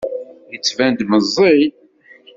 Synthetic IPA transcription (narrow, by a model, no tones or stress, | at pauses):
jət͡sːvænd̪məzˤːij